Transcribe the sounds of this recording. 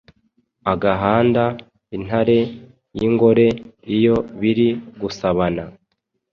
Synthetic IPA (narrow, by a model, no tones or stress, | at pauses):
aɡaɦaːnda | in̥haɾe̞ | jiŋɡo̞ɾe̞ijo̞βiɾiɡusaβana